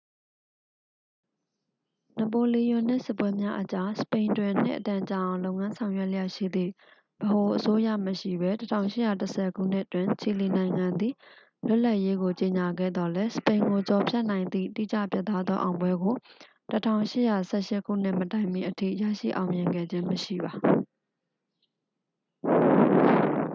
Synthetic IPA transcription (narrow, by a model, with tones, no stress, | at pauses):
nə˨p̬o˨li˨jʊ̃˨n̥ɪ̰̃˦˨sɪ˦pwɛ˦mja˦ʔət͡ɕa˦sə̥pẽ˨ɪ̃ntwɪ̃˨n̥ɪ̰̃˦ʔət̪ã˨t͡ɕa˨ʔã˨ʊ̃lõ˦ʊŋã˦sʰã˨ʊ̃jɛ˦ʔləja̰˦˨ʃḭ˦˨d̪ðḭ˦˨ | b̥əho˨ʔəso˦jä̰˦˨məʃḭ˦˨bɛ˦tətʰã̰˦ʊ̃ʃɪ˦˨ja˨təsʰɛ˨ɡṵ˦˨n̥ɪ˦ʔtwɪ̃˨ɲt͡ɕʰi˨li˨nã˨ɪ̃ŋã˨nd̪ḭ˦˨ | lʊ˦ʔla˦ʔje˦ɡo˨t͡ɕe˨ɲa˨ɡɛ̰˦˨d̪ɔ˨lɛ˦sə̥pẽ˨ɪ̃ŋɡo˨t͡ɕɔ˨pʰjɛ˦ʔnã˨ɪ̃nd̪ðḭ˦˨tḭ˦˨t͡ɕä̰˦˨pjɛ˦˨t̪ʰːa˦d̪ðɔ˦ʔã˨ʊ̃mbwɛ˦ɡo˨ | tətʰã̰˦˨ʊ̃ʃɪ˦˨ja˨sɛ˦˨ʃɪ˦kʰṵ˦˨n̥ɪ̰˦˨mətã˨ɪ̃mi˨ʔətʰḭ˦˨jä̰˦˨ʃḭ˦˨ʔã˨ʊ̃mjɪ̃˨ŋɡɛ̰˦˨d͡ʑɪ̃˦məʃḭ˦˨ba˨